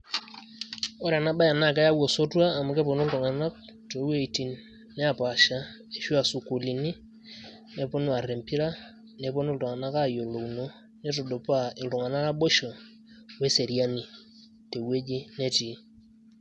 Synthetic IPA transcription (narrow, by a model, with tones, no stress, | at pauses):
o˦ɾa˨na˦ɓa˦ja˨na˦˨ka˦ja˦wo˨so˦twaː˦˨mu˨˦ke˦po˨nu˦ltu˨ŋa˨na˦k̚ | to˨˦we˦˨i˨ti˨nː | ɛ˦a˨pa˨ʃa˦ | e˨ʃu˦a˨su˨ku˨li˨ni˦ | ne˦po˦nu˦a˨ɾe˨mpi˦ɾa˦ | ne˨po˦n˦ltu˨ŋa˨na˦ka˦˨jo˨lo˨no˨ | ne˦to˨do˨pa˦˨ɪ˨ltu˨ŋa˨na˦ka˦ɓo˦ʃo˨ | we˦se˨ɾi˦a˦ni˨ | te˨we˦d͡ʒi˦ne˦ti˨˦